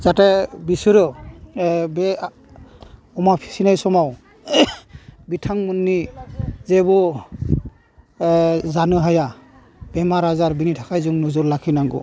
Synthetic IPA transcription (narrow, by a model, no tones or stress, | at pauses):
zatɛbisɔɾɔ | bɛ | ɔmapʰi̥sinajsɔmaw | bitʰaŋmunːizɛbɔ | zanɯɦaja | b̥ɛmaɾazaɾbinitʰakajzuŋnuzɔɾlakʰinaŋɡɔ̰